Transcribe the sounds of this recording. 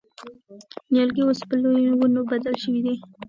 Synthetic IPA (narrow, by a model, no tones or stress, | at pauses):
njalɡiospəlojwunobad̪alʃəwid̪i